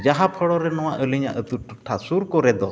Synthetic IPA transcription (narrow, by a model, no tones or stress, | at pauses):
d͡ʒaɦapʰəɽɔɾɛnɔwaʔəliɲa̰ʔət̪uʈuʈʰːasuɾkɔɾɛd̪ɔ